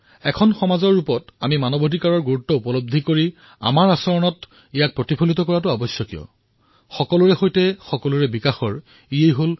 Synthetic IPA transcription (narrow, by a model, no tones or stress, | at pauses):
ɛkʰɔnxɔmazɔɹːupɔtamimanɔbʱodikaɹɔɹɡuɹutːɔupɔlob̚d̪ʱikoɹi | a̰maɹasɔɹɔnɔt | ijak̚pɹotipʰolitɔkɔɹat̬ʊabɔsjɔkijɔ̰ | xɔkɔlʊɹɛxojtɛxɔkɔlʊɹɛbikaxɔɹ | ijejɦol